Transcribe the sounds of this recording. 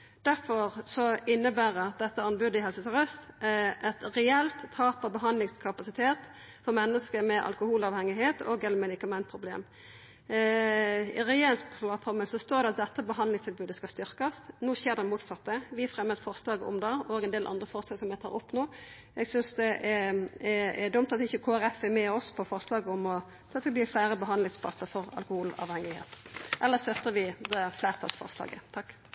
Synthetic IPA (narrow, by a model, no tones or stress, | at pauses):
d̪̥æʁfɔʁsɔɪnːəbæːʁət̪̚d̪ɛt̪ːəɑnbʉd̪əɪɦɛlsət̪ɪʁœst̪ʔɛt̪ɾɛɛlt̪ʰːɑːpɑbəɦɑnd̪lɪŋskʰɑpɑsɪt̪ʰeːt̪ | fɔʁmɛnːəskəmɛʔɑ̰lkʊhuːlɑːʋhɛŋɪɦeːt̪ɔɡɛlmɛd̪ɪkɑmɛnt̪̚pʰʁʊblḛːm | ɪ̰ʁɛjeːʁɪŋsplɑpʰʁɔməsɔst̪oːɾd̪ɛɑt̪̚d̪ɛt̪ːəbəɦɑnd̪lɪŋst̪ʰɪlbʉːd̪əskɑst̪ʏʁkɑsnuːçeːʁd̪ɛmuːt̪sɑt̪ːəʋɪæfʁɛmːəd̪t̪fɔʁslɑːɡəɔ̰md̪ɑoːɡɛnd̪eːlʔɑ̰nd̪ʁəfɔɾslɑːɡsɔmjɛɪt̪ʰɑ̰ːʔɔpːnoː | ɛɡsʏnsd̪ɛʔɛ | ɛd̪ʊmt̪ɑt̪ɪçːəkʰoːæʁɛfɛmɛɔspʰɔfɔʁslɑːɡəɔmɔ | t̪ʰɑːt̪ʰɛlb̪iːflæːɾəbəɦɑnlɪŋspʰlɑ̰səfɔɾɑ̰lkʊhuːlɑ̰ːʋhɛŋɪhḛːt̪ʔɛlːəʁst̪œt̪ːəɾʋɪd̪ɛflæːʁp̪ʰɑ̰sfɔ̰ʁslɑ̰ːɡə̰t̪ʰɑkː